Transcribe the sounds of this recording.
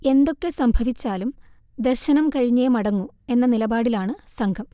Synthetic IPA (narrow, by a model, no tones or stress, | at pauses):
e̞nd̪o̞kːe̞sɐmbʱɐʋit͡ɕːaːlum | d̪ɐrɕɐnɐmkɐɻiɲːɐjmɐɽɐŋːu | e̞nːɐnilɐbaːɽilaːɳɨsɐŋɡʰʱɐm